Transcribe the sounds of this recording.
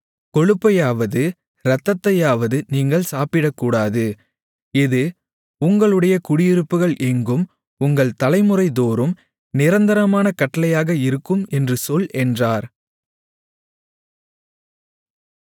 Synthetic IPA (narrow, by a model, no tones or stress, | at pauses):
kɔɻɯpːɐjaːʋɐðɯ | ɾɐt̪ːɐt̪ːɐjaːʋɐðɯniːŋɡɐɭsaːpɪɽɐkːuːɽaːðɯ | ɪðɯ | ʊŋɡɐɭɯɽɐjɐkʊɽɪjɪɾɯpːɯɣɐɭʔɛŋɡɯm | ʊŋɡɐɭt̪ɐlɐɪmɯrɐɪd̪oːɾɯm | nɪɾɐnd̪ɐɾɐmaːnɐkɐʈːɐlɐjaːɣɐɪɾɯkːɯmɛndrɯsɔlɛndraːɾ